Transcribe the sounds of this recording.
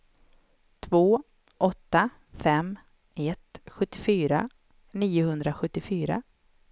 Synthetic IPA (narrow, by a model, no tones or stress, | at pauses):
t̪ʰvoː | ʔɔt̪ːa | fɛm | ɛt̪ɧɵt̪ːɪfyːɾa | niːʊhɵnd̪ɾaɧɵt̪ːɪfyːɾa̰